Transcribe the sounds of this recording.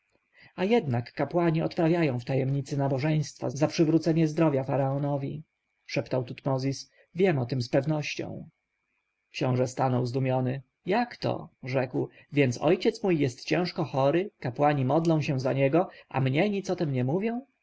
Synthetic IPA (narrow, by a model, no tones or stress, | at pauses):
ajɛd̪nakːapwaɲiɔt̪pɾavʲjajɔ̃w̃ft̪ajɛmɲit̪sɘnabɔʐɛj̃st̪fa̰zapʂɘvɾut̪sɛɲɛzd̪ɾɔvʲjafaɾaɔnɔvʲi | ʂɛpt̪awt̪ut̪mɔzʲis | vʲjɛmɔt̪ɘmspɛvnɔɕt͡ɕɔ̰̃w̃ | kɕɔ̃w̃ʐɛst̪anɔwzd̪umʲjɔnɘ | jakt̪ɔ̰ʐɛkw | vʲjɛntsɔ̰jt͡ɕɛt̪smujːɛst̪t͡ɕɛ̃w̃ʂkɔxɔɾɘkapwaɲimɔd̪lɔ̃w̃ɕɛ̃zaɲɛɡɔʔa̰mɲɛɲit̪sɔt̪ɛmɲɛmuvʲjɔ̃w̃